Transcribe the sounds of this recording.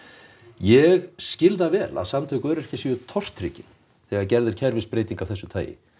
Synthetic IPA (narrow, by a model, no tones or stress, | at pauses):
jɛɣscɪlðavɛːla̰ðsamt̪ʰœɥkœɾɛhcasiʏt̪ʰɔr̥t̪ɾḭcɪn | θɛɣaɾcɛɾðɪɾ̥cʰɛɾvɪspɾeːjt̪iŋkavθɛsːʏt̪ʰa̰ːjɪ̰